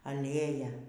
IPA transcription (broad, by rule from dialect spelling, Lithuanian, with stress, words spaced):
ɐˈlʲeːjɛ